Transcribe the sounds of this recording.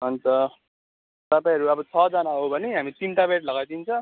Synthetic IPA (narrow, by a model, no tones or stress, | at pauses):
ɦʌnt͡sʌ | t̪ʌpaĩɦʌɾuʌbʌt͡sʰʌd͡zʌnaɦobʱʌneɦamit̪inʈabeaʈlʌɡajd̪int͡sʰʌ̃